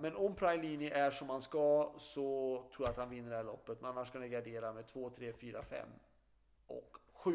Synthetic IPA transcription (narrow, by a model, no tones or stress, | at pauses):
mɛnɔmpʰɾajliːnɪʔæʂɔmhanskasɔt̪ʰɾuːjaat̪hanvɪnːəɖɛhæːɭɔpːət̪̚mɛnanːaʂkanɪɡaɖeːɾamet̪ʰvoːt̪ʰɾeːfyːɾa̰fɛ̰mː | ʔɔ̰kɧʉ̟ː